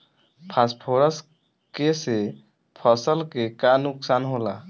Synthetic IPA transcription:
pʰaspʰoɾəs | kese | pʰəsəlkekanuksanɦola

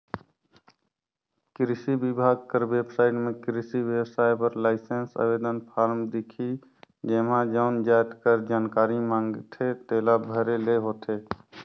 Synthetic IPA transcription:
kɾɪsibɪbʱaːɡ̚kəɾʋeːbsaːɪʈmẽkɾɪsiʋjewsaːjpəɾlaːɪsensa̰ʋeːd̪ənpʰaːɾmd̪ɪkʰi | d͡ʒeːmãːd͡ʒaːnd͡ʒaːt̪kəɾd͡ʒaːnkaːɾimãːŋɡt̪ʰet̪eːlabʱəɾeleɦoːt̪ʰeː

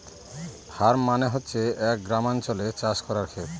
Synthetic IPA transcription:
b̥ʱaɾmaneɦotːɕʰeɛk̚ɡɾamant͡ɕolet͡ɕaʃkɔɾaɾkʰet̪

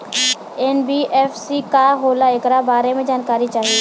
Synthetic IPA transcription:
ɛnbiːʔɛːfsikaɦoːlaɪkɾabaːɾemẽd͡ʒaːnkaːɾit͡ʃaːɦie

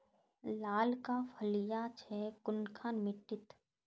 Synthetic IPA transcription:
laːlkapʰəlijat͡ʃʰɛkʊnkʰaːnmɪʈːɪt̪

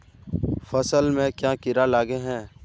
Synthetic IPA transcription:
fɐsəlmẽkjãːkɪɾalaːɡeɦɛ̃ː

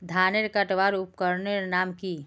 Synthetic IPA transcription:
d̪ʱaːneɾkəʈʋaːɾup̚kəɾneɾnaːmki

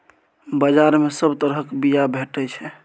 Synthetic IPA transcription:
bəd͡ʒaɾmesəbt̪əɾɦəkbijabʱeʈɛt͡ʃʰɛ

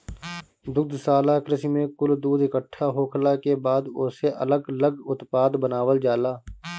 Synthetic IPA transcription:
d̪ʊk̚d̪saːlakɾɪsimẽkʊld̪uːd̪ɪkəʈʰːaɦoːkʰlakebaːd̪ʊseʔə̰ləɡələɡʊt̪paːd̪bənaːʋəld͡ʒaːlaː

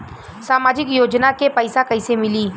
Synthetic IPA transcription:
saːmaːd͡ʒɪkjoːd͡ʒnakepəɪsakɐɪsemɪliː

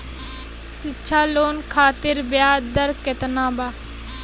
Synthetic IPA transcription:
sitːʃʰaːloːnkʰaːt̪ɪɾbjaːd̪əɾket̪nãːbaː

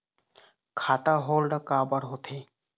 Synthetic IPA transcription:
kʰat̪aɦolɖkabaɾɦot̪ʰe

